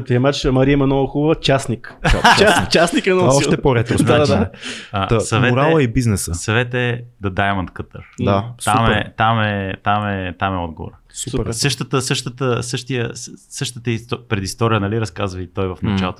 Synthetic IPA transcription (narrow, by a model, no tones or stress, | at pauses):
pɾiɛmat͡ʃmɐɾiəmɛnɔɡəxubəvət͡ʃasnikaat͡ʃasnikɛnɔɔt̪ɛpoɾɛt̪ɾona | asɐvɛɾalˠəibiznɛsəsɐvɛt̪əɛd̪ɐd̪ajɛmɐnt̪kət̪əɾd̪at̪amɛt̪amɛt̪amɛt̪amɛɔd̪̚ɡo̰vo̰ɾəsuɾsɤʃt̪ət̪əsɤʃt̪ət̪əsɤʃt̪ijəssɤʃt̪ət̪əist̪pɾɛd̪ist̪ɔɾijənɐliɾɐskazvɐit̪ɔjvɐfnɐt͡ʃalˠot̪